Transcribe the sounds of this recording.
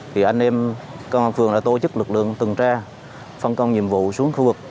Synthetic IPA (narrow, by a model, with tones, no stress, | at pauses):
t̪ʰi˨˩ʔa˧jŋ̟ʔɛ˧mkə˧wʔaː˧˩nfɨ˧˩əŋɗa̰ː˧˥t̪o˧˩t͡ɕɨ˦˥k̚lɨ˨˩k̚lɨ̰˧˨əŋt̪ɨ˨˩ŋt͡ɕaː˧ | fə˧nkə˧wŋ͡mɲḭ˧˨əmvṵ˧˨su˨˦əŋxu˧vɨ˨˩k̚